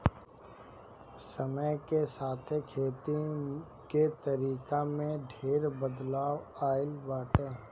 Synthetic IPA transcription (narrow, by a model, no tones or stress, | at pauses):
səməjkesaːt̪ʰekʰeːt̪i | ket̪əɾiːkamẽɖʱeːɾbəd̪laːwaːɪlbaːʈeː